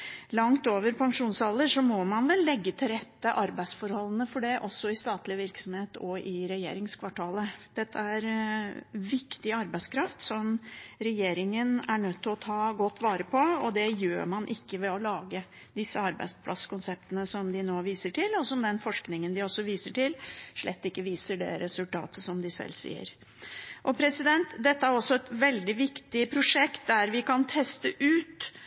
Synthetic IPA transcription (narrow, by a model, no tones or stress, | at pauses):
lɑŋt̪oːʋəɾpʰɑŋʂuːnshɑlːəʂɔmɔmɑnʋɛlːɛɡːət̪ʰɪlɾɛt̪ːəʔɑɾbæɪsfɔɾhɔlːənəfɔɖɛʔɔsːɔɪst̪ɑːt̪lɪʋɪɾksɔmheːt̪ɔɪɾɛjḛːɾɪŋskʰʋɑʈʰɑːləd̪̥ɛt̪ʰːəæɾ | ʋɪkt̪ɪɑɾbæɪskʰɾɑft̪sɔmɾɛjeːɾɪŋənæɳœt̪ʰːɪlɔt̪ʰɑːɡɔt̪ːʋɑːɾəpʰɔɔd̪ɛjø̰ːɾmɑnʔɪkːəʋɛɔlɑːɡə | d̪ɪsːəɑɾbæ̰ɪspʰlʔɑ̰skʊnsɛp̚t̪ənəsɔmd̪ɪnoːʋiːsəʈɪlːɔsɔmd̪ɛnfɔʂknɪŋənd̪ɪɔsːɔʋiːsəʈʰɪlʂɭɛt̪ːɪkːəʋiːsəɖɛ̰ɾɛsʉlt̪ɑ̰ːt̪əsɔmd̪ɪsɛ̰lːsḭːə̰ɾ | ʔɔpʰɾɛsɪd̪ɛnt̪d̪ɛt̪ːəæɾɔsːɔɛt̪ʋɛld̪ɪʋɪkt̪ɪpʰɾʊʂɛkt̪̚d̪æɾʋɪkɑnt̪ʰɛst̪əʔʉːt̪